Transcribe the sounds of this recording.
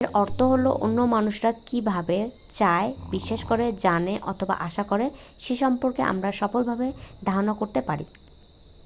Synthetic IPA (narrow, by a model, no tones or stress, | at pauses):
ɾɔɾt̪ʰoɦoloʔo̰nːomanuʃɾakibʱabe | t͡ɕaebiʃeʃkoɾed͡ʑaneʔɔt̪ʰoba̰ʔaʃakoɾe | ʃeʃɔmpoɾkeʔa̰mɾaʃɔfolbʱabed̪ʱaɾonakoɾt̪epaɾḭ